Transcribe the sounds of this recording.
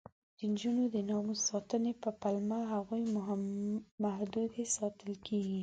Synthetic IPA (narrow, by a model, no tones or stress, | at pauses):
d̪̥ənd͡ʒunod̪ənɑmusɑt̪ənepəpalmaɦaɣujm | mahd̪ud̪esɑt̪əlkʰeɡi